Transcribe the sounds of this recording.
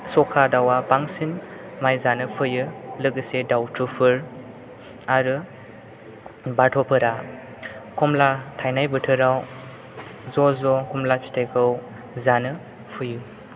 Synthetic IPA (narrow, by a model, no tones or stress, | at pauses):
sɔkʰadawapaŋsin | majzanɯpʰɯjɯlɯɡɯsedawtɾupʰɯɾ | aɾɯ | batʰɔpʰɯɾa | kʰɔmlatʰajnajbɯtʰɯɾaw | zɔzɔkʰumlapi̥tʰekʰɯw | zanɯ | pʰɯjɯ